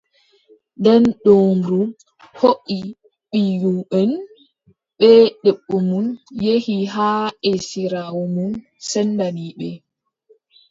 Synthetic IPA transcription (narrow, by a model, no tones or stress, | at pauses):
dɛnɗoːmɾu | hoʔi | ɓijuɓɛn | ɓɛɗɛɓːɔmunjehiɦaːʔesiɾaːwɔmun | sɛndaniɓɛ